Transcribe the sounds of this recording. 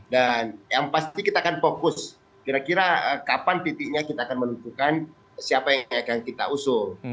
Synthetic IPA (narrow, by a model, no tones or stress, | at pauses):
danjaŋpast̪ikit̪aːkanfokʊs | kiɾakiɾaəkapant̪it̪iʔ̚ɲakit̪aːkanmənut̪ukan | siapajaŋakaŋkit̪a̰usʊl